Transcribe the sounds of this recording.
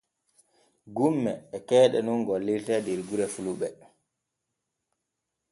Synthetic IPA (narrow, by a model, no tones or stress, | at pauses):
ɡumːɛ̰ːkɛːɗɛnunɡɔlːiltɛdeɾɡuɾɛfuluɓɛ